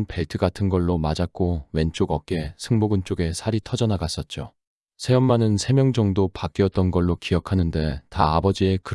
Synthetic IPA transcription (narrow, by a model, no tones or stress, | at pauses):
npe̞ɭtʰɯɡatʰɯnɡʌɭːomad͡ʑak̚k͈owe̞nt͡ɕ͈oɡʌk̚k͈e̞sʰɯŋmoɡɯnt͡ɕ͈oɡe̞sʰaɾitʰʌd͡ʑʌnaɡas͈ʌt̚t͡ɕ͈o̰ | sʰe̞jʌmmanɯnsʰe̞mjʌŋd͡ʑʌŋdopak͈iʌt̚t͈ʌnɡʌɭːokiʌkʰanɯnde̞taabʌd͡ʑie̞kɯ